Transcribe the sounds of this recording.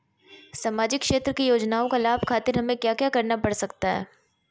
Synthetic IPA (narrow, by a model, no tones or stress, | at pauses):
saːmaːd͡ʒɪkːʃeːt̪ɾəkijoːd͡ʒnaːõkalaːbʱkʰaːt̪ɪɾɦɐmẽkjaːkjaːkɐɾnapɐɽsɐkt̪aɦɛ̰ː